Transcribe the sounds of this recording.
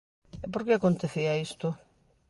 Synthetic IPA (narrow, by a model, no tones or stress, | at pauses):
epoɾkeakont̪eθiaist̪ʊ